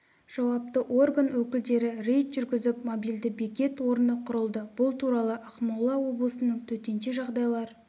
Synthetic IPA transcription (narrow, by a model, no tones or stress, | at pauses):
ʒ̥ɑwɑp̚t̪əʔo̞rɡanwɵkʲɪld̪e̞ɾɪɾe̞jt̪ʒ̥ʏɾɡʲɪzɪp̚mobijld̪ɪbekʲe̞t̪wo̞ɾənəqʰʊɾəlˠd̪əb̥ʊlˠt̪ʰuɾɑlˠəʔɑqmɑlˠɑwo̞blˠəsənəɴt̪ʰɵt̪e̞nʃeʒɑʁd̪ɑjlˠɑɾ